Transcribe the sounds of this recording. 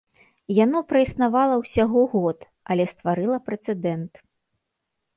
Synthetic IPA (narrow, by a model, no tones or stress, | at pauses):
janɔpɾɐisnavalˠɐwsʲaɣɔɣɔt̪ | ɐlʲɛst̪vaɾɨlˠɐpɾɛt̪sɛd̪ɛnt̪